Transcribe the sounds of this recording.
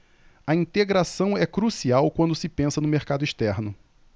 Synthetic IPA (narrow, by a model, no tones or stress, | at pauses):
ɐĩnt̪eɡɾasɐ̃w̃ɛkɾusiawkwɐ̃nd̪ʊsɪpẽsɐnʊmeɾkad̪ʊiʃt̪ɛɾnʊ